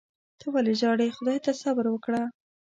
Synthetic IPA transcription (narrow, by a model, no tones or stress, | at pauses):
t̪əwaleʒɑɽexʊd̪ɑjt̪asabɾwəkɽa